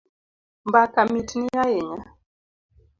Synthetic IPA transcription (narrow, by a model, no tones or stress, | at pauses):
mbakamitʰinijajɛɲa